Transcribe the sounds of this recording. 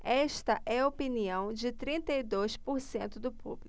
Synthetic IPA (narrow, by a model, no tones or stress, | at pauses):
ɛʃt̪ɐʔɛɐopiniɐ̃w̃d͡ʒɪt̪ɾĩnt̪ɐid̪ojspoɾsẽnt̪ʊd̪ʊpṵbli